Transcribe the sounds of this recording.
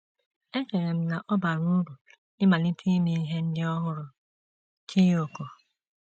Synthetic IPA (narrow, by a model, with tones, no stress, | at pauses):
e˦ke˨ɾe˨m̩˦na˨ʔɔ˦ba˨ɾu˦ɾu˨ | ɪ˦ma˨ni˦tʰi˦mi˦i˦ɦe˦n̩˦dɪ˦ɔ˦ɦʊ˦ɾʊ˨ | kʰi˦o˨ko˨